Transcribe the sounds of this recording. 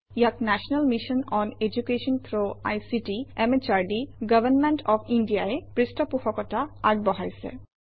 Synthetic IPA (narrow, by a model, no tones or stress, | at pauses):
jaknaʃɔnalmiʃɔnɔned͡ʒukeʃɔnpʰɹoa̰jsiʈiɛmet͡ʃaɹɖiɡəbənmeɳʈɔpʰindijaepɹistɔpuxɔkɔtaaɡ̚bɔɦajsɛ̰